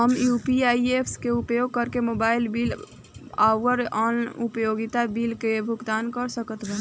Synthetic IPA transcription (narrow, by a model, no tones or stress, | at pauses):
ɦəmjupiaiepʰskeupjoɡ̚kəɾkemobaːɪlbil | aʋəɾɔnupəjoɡit̪abilkebʱʊɡt̪aːnkəɾsəkət̪ɾəɦ